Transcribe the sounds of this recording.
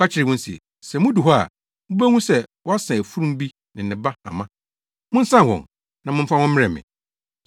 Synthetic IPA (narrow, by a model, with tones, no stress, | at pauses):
ka˦t͡ɕʰɪ˦ɾɪ˨wʊ̃˦n̩˦sḭ˨ | sɛ˨mʊ̃˦du˨ɦɔ˦a̰˨ | mʊ̃˦bæ˦ŋũ˦sɛ˦wɔ˦a˦sã˨æ˨fu˦ɾũ˦m˦bi˦ | nɪ̃˨n̩˨ɪ̃˨ba˦a˨mã˦ | mʊ̃˦n̩˦sã˦˨hɔ̰̃˨n | nã˨mʊ̃˦m̩˦fa˦wɔ̃˦m̩˦ɪ̃˦ɛ˨mɪ̰̃˨